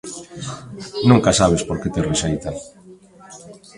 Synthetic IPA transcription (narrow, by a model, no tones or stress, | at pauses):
nũŋkasaβ̞espoɾket̪eresejt̪a